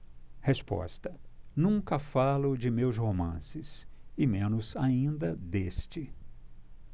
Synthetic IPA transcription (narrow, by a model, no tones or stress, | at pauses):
hespɔ̰st̪ɐnũŋkɐfalʊd͡ʒɪmewshomɐ̰̃sɪsɪmẽnʊzaĩnd̪ɐd̪est͡ʃɪ